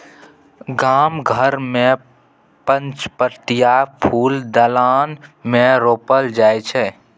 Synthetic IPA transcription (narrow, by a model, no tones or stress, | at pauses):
ɡaːmɡʱəɾmẽ | pə̃nt͡ʃpəɾt̪ijapʰuːld̪əlaːnmẽɾoːpəld͡ʒaːjt͡ʃʰɛ